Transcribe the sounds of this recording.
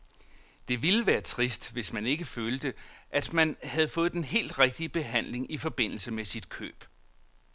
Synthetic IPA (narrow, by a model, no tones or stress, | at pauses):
d̥e̝ʋiləʋæːɐt͡sʰʁisd̥ʋe̝smæne̝ɡ̥əføːld̥əʔæd̥mænhæð̞̩ˠfɔ̽ːð̩ˠd̥enɦe̝̰ːld̥ʁɛɡ̥̚d̥iəb̥e̝ɦæn̰le̝ŋifɒ̽b̥e̝n̰l̩səmesid̥kʰø̰ːb̥